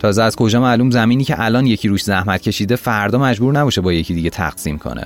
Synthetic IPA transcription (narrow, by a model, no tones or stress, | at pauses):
t̪ʰɒːzɛæzkʰo̞d͡ʒɒːmæluːmzæmiːniːcʰeʔælɒːnje̞cʰiɾuːʃzæhmæt̪̚cʰe̞ʃiːd̪e̞fæɾd̪ɒːmæd͡ʒbuːɾnæbɒːʃebɒːje̞cʰid̪iːɟet̪ʰæ̰ɣ̥siːmkʰo̰nʔḛ